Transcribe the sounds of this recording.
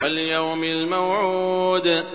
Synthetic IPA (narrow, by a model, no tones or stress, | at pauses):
aljawmɪlmawʕuːd̪